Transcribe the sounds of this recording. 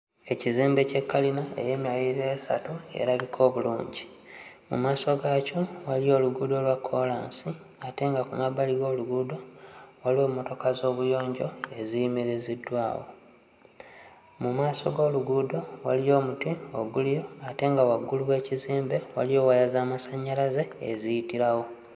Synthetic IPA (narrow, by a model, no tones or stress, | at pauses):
e̞ciziːmbe̞ce̞kːalinae̞̰je̞ːmjajiɾesa̰tue̞̰ɾaɡikʰo̞ːβulṵːɲɟi | mṵmaːso̞ɡacowalijo̞ːluɡuːdo̞lwakʰːolaːnsi | ate̞ŋɡakumaβaliɡo̞ːluɡuːdo̞waliwo̞ːmo̞to̞kazo̞ːβujo̞ːɲɟo̞e̞zijimiɾizidːwa̰ːwo̞̰ | mumaːso̞ɡo̞ːluɡuːdo̞walijo̞ːmutio̞ɡulijo̞ate̞ːŋɡawaɡːuluwe̞ːciziːmbe̞wa̰lijo̞ːwajazaːmasaɲːalaze̞̰ːzijitiɾawo̞